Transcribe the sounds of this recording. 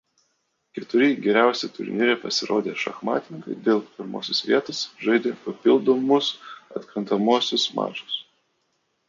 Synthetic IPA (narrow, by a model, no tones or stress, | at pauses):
kʲɛt̪ʊɾʲɪɡʲɛɾʲæˑʊsʲɛt̪ʊɾʲnʲiːɾʲɛpɐsʲɪɾoːd̪ʲeːʃɐ̰xmɑ̰ːt̪ʲɪnʲɪŋkɐɪd̪ʲeːlˠpʲɪɾmo̰ːsʲɪsʋʲiɛt̪osʒɐɪd̪ʲeːpɐpʲɪlˠd̪omʊsɐ̰t̪ʲkɾɐnt̪ɐmoːsʲʊsmɑ̰ːt͡ʃʊs